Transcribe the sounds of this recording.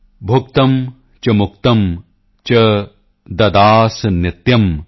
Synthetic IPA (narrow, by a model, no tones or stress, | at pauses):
bʱuk̚t̪ɐm | t͡ʃɐmukt̪ɐm | t͡ʃɐ | d̪ɐd̪aːsɐnɪt̪jɐm